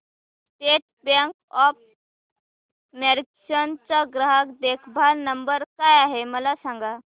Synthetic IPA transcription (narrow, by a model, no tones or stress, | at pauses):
sʈeʈ̚bãŋkɔp̚ | meɾiksənt͡saɡɾəɦəkd̪ekʰbʱaɾnəmbəɾkajaɦeməlasãŋɡa